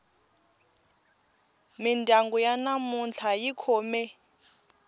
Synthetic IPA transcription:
mindʱaŋɡɔjanamunt͡ɬʰajikʰɔːmɛ

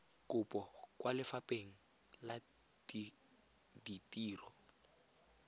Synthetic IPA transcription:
kʼʊpʼɔkʼwʔalɪfapʼeŋ̩ | la | di | ditʼiːrɔ

